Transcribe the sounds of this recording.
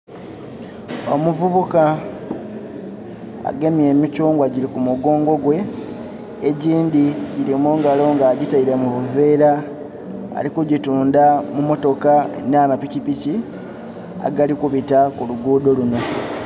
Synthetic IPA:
o̰muvuβuka | a̰ɡe̞mije̞ːmicuːŋɡwaɟilikumuɡo̞ːŋɡo̞ɡwe̞ː | ɟiːndiɟiɾimuːŋɡalo̞ŋɡaːɟitaiɾe̞muβuve̞ːɾa | a̰likuɟituːndamumo̞to̞ka̰naːmapicipici | a̰ɡalikuβitakuluɡuːdo̞luno̞

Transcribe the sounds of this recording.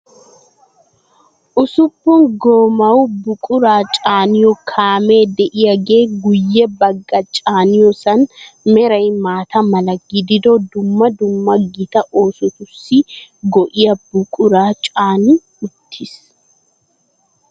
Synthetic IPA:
ʔʊsʊpːʊŋɡoːmɐwʊbʊkʼʊɾaːt͡ʃʼaːnɪjɔkʰaːme̞ːd̪ɛʔɪjɐɡe̞ːɡʊjːɛbɐɡːɐt͡ʃʼaːnɪjɔsɐnmɛɾɐjmaːt̪ɐmɐlɐɡːɪd̪ɪd̪od̪ʊmːɐd̪ʊmːɐɡɪt̪ɐʔoːsʊt̪ʊsːɪɡɔʔɪjɐbʊkʼʊɾaːt͡ʃʼaːnɪ | ʊt̪ʰːɪs

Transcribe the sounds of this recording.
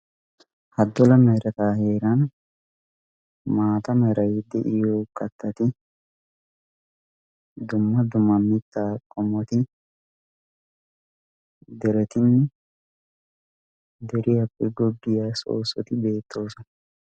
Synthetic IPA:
hɐd̪ːɔlɐmɐjɾɐt̪aːhe̞ːɾɐn | maːt̪ɐmɛɾɐjd̪ɛʔɪjoːkɐt̪ːɐt̪ɪ | d̪ʊmːɐd̪ʊmːɐmɪt̪ːaːkʼɔmːɔt̪ɪ | d̪ɛɾɛt̪ɪnːɛ | d̪ɛɾɪhɐpʼːɛɡɔɡːɪjaso̰ːsːɔt̪ɪbe̞ːt̪ːo̞ːsɔnɐ

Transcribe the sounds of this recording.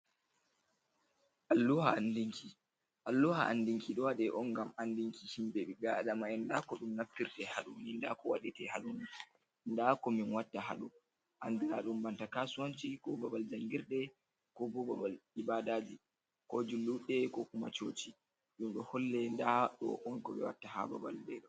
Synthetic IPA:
ʔalːuhaandiŋkʰi | ʔalːuhaʔa̰ndiŋkʰiɗɔwaɗɛʔɔnɡamandiŋkihimbɛɓiɡaɗamaɛndakɔɗumnaftːiɾtɛhaɗuninda̰kɔwa̰ɗɛtɛhaɗuni | ndakɔminwatːaha̰ɗɔ | ʔandiɾaɗumbantakasuwant͡ʃikɔbabald͡ʒaŋɡiɾɗɛ | kɔbɔbabalibadad͡ʒi | kɔd͡ʒulːuɗɛkɔkuma̰t͡ʃot͡ʃi | ɗumɗɔhɔlːɛndaɗɔ̰ʔɔnkɔɓɛ̰wa̰tːaha̰ba̰ba̰lbɛɗɔ

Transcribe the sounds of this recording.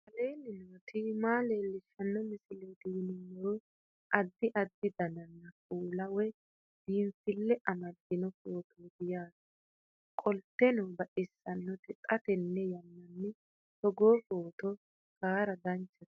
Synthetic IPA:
ɐleːnːɪnot̪ɪmaːle̞ːlːɪʃːɐnːɔmɪsɪleːt̪ɪwɪnɪnːoɾ | ʔɐd̪ːɪʔɐd̪ːɪd̪ɐnɐnːɐkʼuːlɐwɛ | d̪̥iːnsɪlːɛʔɐmɐd̪ːɪnɔfoːt̪oːd̪ɪjaːsɐ̥ | kʼɔlt̪ːɛnɔbɐʔɪsːɐnːɔt̪ɪt̪ʼɐt̪ɛnːɛjɐnːɐnːɛ | sɔɡoːfoːt̪ɔ | kaːɾɐd̪ɐnt͡ʃːɐ̥

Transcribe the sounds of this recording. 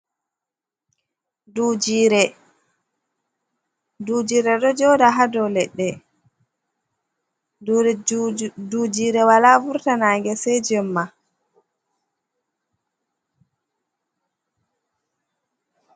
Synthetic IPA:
dud͡ʒiɾɛ | dud͡ʒiːɾɛɗɔd͡ʒɔdaɦadɔlɛɗːɛ | dud͡ʒiːɾɛwalavuɾtanaːŋɡɛsɛd͡ʒɛmːa

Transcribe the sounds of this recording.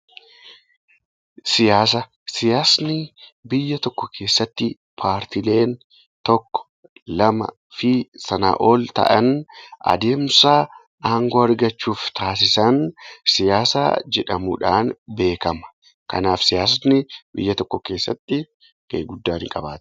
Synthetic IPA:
sɪjaːs̬ɐ | sɪjaːsnɪbɪjːɐt̪ɔkːɔkʰe̞ːsːɐt̪ːɪ | pʰaːɾt̪ɪle̞ːn | t̪ɔkːɔ̥ | lɐmɐ̰ | fɪsɐna̰ːʔo̞ːlt̪ɐ̰ʔɐnʔɐ̰d̪e̞ːmsaː | ʔaːŋɡoːɐɾɡɐt͡ʃːuːft̪aːs̬ɪsɐnsɪjaːsa̰ːd͡ʒɛᶑɐmṵːᶑaːnbe̞ːkɐmɐ̥ | kɐ̰naːfsɪjaːs̬nɪbɪ̰jːɐt̪ɔkːɔke̞ːsːɐ̰t̪ːɪ | kɐ̰jɡʊd̪ːaːnɪŋkʼɐbaːt̪ɪ̥

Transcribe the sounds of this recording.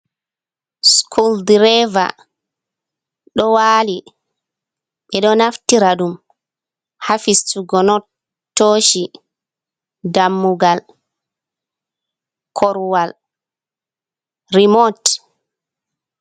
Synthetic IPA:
skʰuldɾɛva̰ | ɗɔwaːli | ɓɛɗɔnaftiɾaɗum | hafistuɡɔnɔ | tːoːʃi | damːuɡal | kʰɔɾwal | ɾimɔt

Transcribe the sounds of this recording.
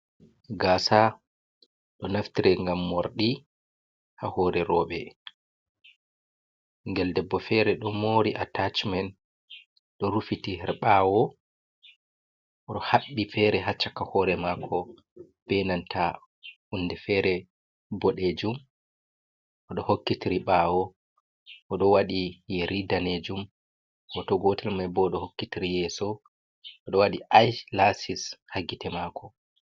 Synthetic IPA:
ɡaːsa | ɗɔnaftiɾɛŋɡamːoɾɗi | hahɔɾɛɾɔːɓɛ | ŋɡɛldɛbːɔfɛɾɛɗɔmoɾiʔa̰tat͡ʃman | ɗɔɾufitihɛɾɓawɔ | ʔɔɗɔhaɓːifɛɾɛɦat͡ʃːakahɔɾɛmakʰɔ | b̥ɛnantʰa | ʔundɛfɛɾɛ | bɔɗed͡ʒum | ʔɔɗɔhokːitiɾiɓaːwɔ | ʔɔɗɔwaɗijɛɾidaned͡ʒum | ʔɔtɔɡɔtʰɛlmajbɔɗɔhokːitiɾijɛːsɔ | ʔɔɗɔwaɗiʔajlasishaɡitɛmaːkɔ

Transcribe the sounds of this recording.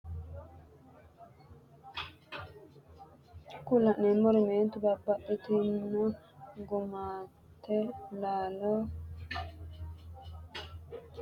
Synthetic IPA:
kʊlɐnːɛmɔɾɪmeːnt̪ʊbɐbːɐt̪ːɛt̪ɪnːɔnɡʊmaː | t̪ʰːɛlaːlo

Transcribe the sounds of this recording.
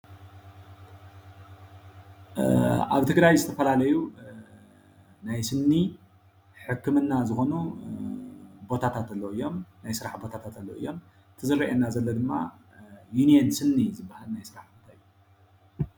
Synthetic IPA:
ʔa̰βt̪ʰɨɡɾajzɨt̪ʰɐfɐlalɐju | najsɨnːi | ħɨkːɨmɨnːazɨxo̞nu | bo̞t̪ʰat̪ʰat̪ɐlːoɨjːo̞mnajsɨɾaħbo̞t̪ʰat̪ʰat̪alːo̰ʔɨ̰jːo̞m | t̪ʰɨzɨɾiʔenːazɐlːod̪ɨmːa̰ | juniensɨnːizɨbːahalnajsɨɾaħbot̪ʰaɨjːu

